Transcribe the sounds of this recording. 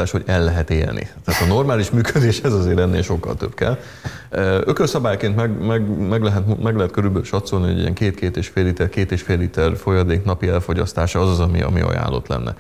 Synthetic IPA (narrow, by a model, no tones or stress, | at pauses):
aːʃho̞ɟɛlːɛɦɛt̪ḛːlnʔḭt̪ɛaːt̪ɒno̞rmaːliʃmyːkød̪eːʃɛzɒzeːɾɛnːeːlʃo̞kːɒ̰lt̪øbkɛ̰l | økørsɒbaːjkeːnt̪mɛɡmɛɡmɛɡlɛɦɛt̪mumɛɡlɛɦɛt̪̚kø̞ɾylbølʃɒt̪so̞lniɦoɟḭɛ̰ŋkeːt̪keːt̪eːʃfeːlit̪ɛrkeːt̪eːʃfeːlit̪ɛrfo̞jɒd̪eːknɒpiɛlfo̞ɟɒst̪aːʃɒɒzɒzɒmḭɒ̰mḭɒ̰ja̰ːlːo̰t̪lɛ̰nːɛ̰